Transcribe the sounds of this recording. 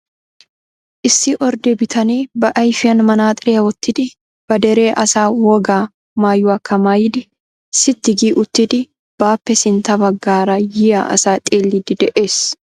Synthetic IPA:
ʔɪsːɪʔɔɾd̪ebɪt̪ʰɐniːbɐʔɐjfɪɐnmɐnaːt̪ʼɪɾeːwɔt̪ːɪd̪ɪ | b̥ɐd̪ɛɾe̞ːʔɐsaːwɔɡaː | maːjːuːɐkʰːɐmaːjɪd̪ɪ | sɪt̪ːɪɡiːʔʊt̪ːɪd̪ɪ | b̥aːpːɛsɪnt̪ɐbɐɡːaːɾajɪja̰ʔɐ̰saːt̪ʼeːlːɪd̪ɪd̪ɛʔe̞ːs

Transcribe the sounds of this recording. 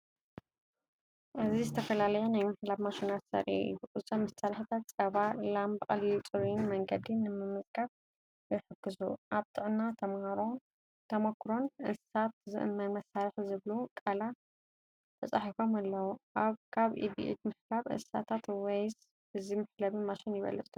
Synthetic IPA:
ʔɨzizɨt̪ʰɐfɐlalɐjonajmɨħlaβmaʃinat̪sɐ̰ɾʔḭʔḭj̰uʔɨt͡sʼɐmɐst̪ʰalħit̪ʰat̪̚t͡sʼɐβalambɐqʼljut͡sʼɨβinmɐŋɡɐd̪inɨmɨmːɨzʼɡaf | jɛħɨkːɨzuʔaβt̪ʰʼɨʔʼnat̪ʰɐmhaɾo | t̪ʰɐmɐkʰɾo̞nʔɨsat̪̚zɨ̰ʔɨ̰mːɐnmɐsːaɾɐħzɨβlukʼala | t̪ʰɐt͡sʼaħifomalːɐwuʔaβkʰaβʔḭbḭʔḭd̪mɨħlaβʔɨ̰sa̰t̪ʰat̪wejz | ɨzimɨħlaβimaʃinjɪβɐ̰lɐt͡s̪ʼu̥

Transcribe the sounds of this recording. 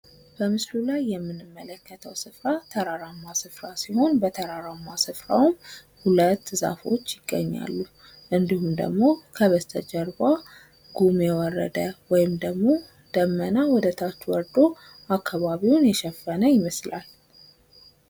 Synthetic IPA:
b̥əmɨslulajːɛmːɨnːɨmːələkːət̪ʰəwsɨfɾat̪ʰəɾaɾamːasɨfɾasiho̞nbət̪ʰəɾaɾamːasɨfɾa̰wm | hulət̪ːɨza̰fo̞̰t͡ʃːjɪɡ̥ːə̰ɲːa̰lːu | ʔɨnd̪ihumd̪ə̰ɡmo̞kʰəβəst̪ʰəd͡ʒəɾba | ɡ̥umjɛwɔrːə̰d̪əwɔjɪmd̪əɡmo̞ | d̪̥əmːənawɔd̪ət̪ʰat͡ʃːwɔɾd̪o | ʔakʰːaβaβiwnjɛʃɛfːənəjɪməsla̰l

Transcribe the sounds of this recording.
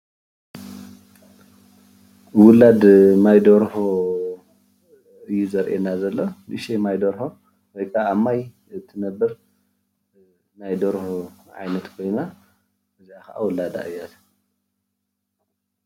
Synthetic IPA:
wʊlad̪majd̪oɾho | ɨjːuzɐɾʔḛnazɐlːonɨʔʃemajd̪oɾho | wojkʰaːmːaj | t̪ʰɨnɐbːɨɾ | najd̪oɾhoʕa̰jnɐt̪kʰo̞jna | ʔɨziakʰɐʔa̰wʊlad̪a̰ʔɨjːat̪

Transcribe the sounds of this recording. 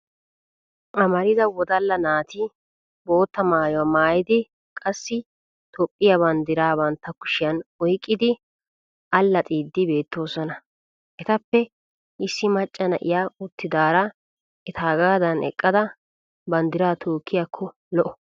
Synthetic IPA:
ʔɐmɐɾɪzɐwɔd̪ɐlːɐnaːt̪ɪ | bo̞ːt̪ːɐmaːjɔɐmaːjɪd̪ɪ | kʼɐsːɪ | t̪ʰɔpʼːɪjɐbɐnd̪ɪɾaːbɐnt̪ːɐkʊ̥ʃɪjɐnɔjkʼːɪd̪ɪ | ʔɐlːɐt̪ʼiːd̪ːɪbe̞ːt̪ːo̞ːsɔnɐ | ʔɛt̪ɐpːɛ | ʔɪsːɪmɐt͡ʃʼːɐnɐ̰ʔɪ̰jaːʊt̪ːɪd̪aːɾɐ | ɛt̪ʰaːɡaːd̪ɐnɛ̰kʼːɐd̪ɐ | bɐnd̪ɪɾaːt̪ʰoːkːɪjakʰːɔ | lɔʔɔ

